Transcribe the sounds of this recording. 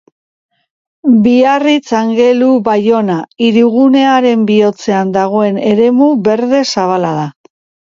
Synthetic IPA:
biarit͡saŋɡe̞luβajo̞naiɾuɣune̞aɾe̞mbio̞t͡se̞and̪aɣ̞o̞e̞ne̞ɾe̞muβe̞ɾðe̞saβ̞alaða

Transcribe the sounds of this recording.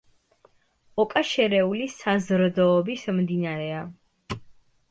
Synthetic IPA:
ɔkʼaʃɛɾɛulisazɾd̪ɔːbismd̪inaɾɛa

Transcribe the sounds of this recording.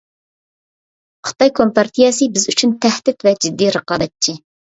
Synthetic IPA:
χə̥t̪ɑjkʰompɑɾt̪ʰijɛsɨbɪzyt͡ʃʰynt̪ʰɛhd̪ɪt̪vɛd͡ʒɪd̪ːiɾəqɑːb̪ɛt̪̚t͡ʃʰi

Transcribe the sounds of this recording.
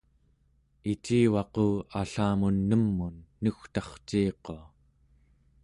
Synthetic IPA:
it͡ʃiːwɑquːaɬaːmunːəmːunːuxt̪ɑχt͡ʃiːqoa

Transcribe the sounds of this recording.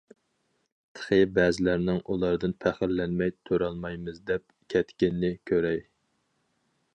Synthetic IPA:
t̪ʰə̥χɨbɛːzɪlæɾnɪŋʔulˠɑɾd̪ɨnpʰæχɪɾlɛnmɛjt̪ʰøɾɑlˠmɑjmɨzd̪ɛp̚kʲʰɛt̪kʲɪnːɪkʲʰøɾɛj

